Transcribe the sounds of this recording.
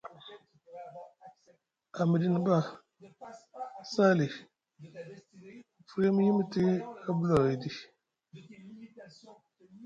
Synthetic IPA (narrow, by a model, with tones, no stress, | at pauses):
a˨mi˨di˨ni˨ba˦ | sa˦li˨ | fɾe˦mi˦ji˦m˦ti˦a˦blɔ˨i˨di˦